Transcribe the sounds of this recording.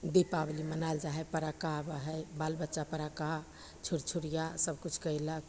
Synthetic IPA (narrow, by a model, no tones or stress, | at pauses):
d̪ipablimənald͡ʒaɦɛpəɾakabəɦɛjbalbətːʃapəɾaka | t͡ʃʰuɾt͡ʃʰuɾijasəb̚kut͡ʃʰkəjlək